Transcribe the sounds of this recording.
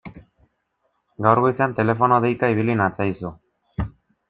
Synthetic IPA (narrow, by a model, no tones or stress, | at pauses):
ɡawɾɣoisant̪e̞le̞fo̞noðejkaiβilinat͡sajsu